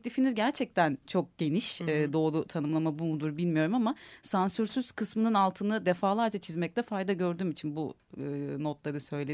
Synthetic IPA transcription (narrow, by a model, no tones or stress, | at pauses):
t̪ʲifinizɟæɾt͡ʃʰɛc̚t̪ʰænt͡ʃʰo̞k̚ɟ̥e̞niʃɛːd̪o̞ːlˠut̪ʰanɯmlˠamabumud̪uɾbilʲmijo̞ɾumamasansyɾsyz̥kʰɯsmɯnɯnalˠt̪ʰɯnɯd̪efaːlˠaɾd͡ʒat͡ʃʰizmɛc̚t̪ʰɛfajd̪aɟø̞ɾd̪yːmit͡ʃʰinbuɯːno̞t̪lˠaɾɯsø̞jlʲe